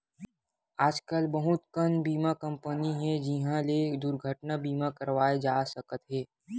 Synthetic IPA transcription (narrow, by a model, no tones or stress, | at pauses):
aːd͡ʒkəlbəɦʊt̪kənbiːmakə̃mpəniɦɛ̃d͡ʒɪɦãled̪ʊɾɡʱəʈnabiːmakəɾʋaːed͡ʒaːsəkət̪ɦɛː